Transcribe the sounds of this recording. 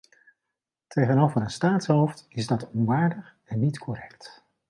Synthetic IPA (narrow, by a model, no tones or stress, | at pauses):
tʰejχənowvəɾənstaːtsɦowftɪzdɑtɔnʋaːɹdəχ | ɛnːitkʰɔrɛkt